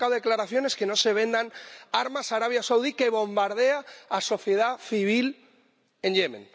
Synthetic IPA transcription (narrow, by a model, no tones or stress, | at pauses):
kawðe̞klaɾaθjo̞ne̞ske̞no̞se̞β̞ẽ̞nd̪anaɾmasaɾaβ̞jasawðike̞βo̞mbaɾð̞e̞aːso̞θje̞ð̞aθiβ̞il | e̞nʎe̞mḛ̃n